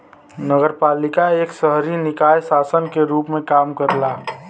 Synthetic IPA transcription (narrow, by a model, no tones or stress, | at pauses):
nəɡəɾpaːlɪkaeːksəɦɾinɪkaːjsaːsənkeɾuːpmẽkaːmkəɾlaː